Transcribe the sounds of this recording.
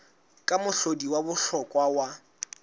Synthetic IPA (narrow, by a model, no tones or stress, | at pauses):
kʼamʊɬodiwabʊɬɔkʼwawa